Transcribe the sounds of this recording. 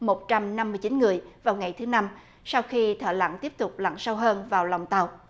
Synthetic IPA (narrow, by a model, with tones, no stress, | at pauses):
mo˨˩t̚t͡ɕa˧mna˧mːɨ˧əjt͡ɕi˨˦nŋɨ˨˩əjvaː˨˩wŋa˨˩jt̪ʰɨ˨˦na˧m | sa˧wxi˧t̪ʰə̰ː˧˩la̰˧˥ŋt̪i˦˥əp̚t̪ʊ˨˩k͡p̚la̰˧˨ŋsa˧wɦəː˧nvaː˨˩wla˨˩wŋ͡mt̪ə˨˩w